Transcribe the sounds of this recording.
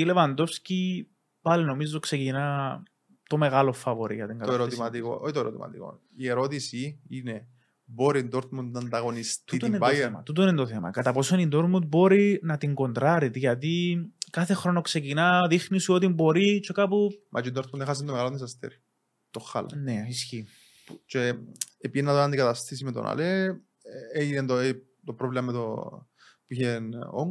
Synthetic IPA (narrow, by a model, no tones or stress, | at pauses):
ile̞vɐnd̪o̞fsci | pɐlino̞mizːokse̞cinɐ | t̪o̞me̞ɣɐlofɐvoɾḭjɐt̪iŋɡɐeɾot̪imɐt̪iko̰oit̪oeɾot̪ḭmɐ̰t̪ḭko̰ | ieɾot̪isiine | boɾind̪oɾt̪mund̪nɐnd̪ɐɣo̞nist̪it̪inɐmɐ̰t̪ut̪oinent̪oθemɐ̰kɐt̪ɐpo̞sonind̪oɾt̪mund̪̚bo̞ɾinɐt̪iŋɡo̞nd̪ɾɐɾit̪ʝɐt̪ikɐθe̞xɾo̞no̞kse̞cinɐðixnisuot̪imbo̞ɾit͡ʃe̞kɐpumʔɐ̰t͡ʃind̪oɾt̪munexɐs̬ent̪omeɣaloisɐst̪eɾi̥ | t̪oxːɐ̰lɐ̰neisçi | put͡ʃe | epiinːɐðonɐnd̪ikɐt̪ɐst̪is̬imet̪o̰nɐ̰le | eʝinend̪o | t̪opɾovlemɐmet̪o̰ | puiçeno̰ŋ